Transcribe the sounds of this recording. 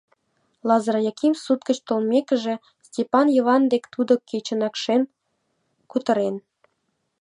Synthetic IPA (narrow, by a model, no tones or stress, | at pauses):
lɑzɾɑjɑkimsut̪kə̆t͡ɕt̪olmʲekə̆ʒĕ | sʲtʲepɑnjoβɑnd̪ekt̪ud̪ŏket͡ɕə̆nɑkʃen | kut̪ɤ̆ɾen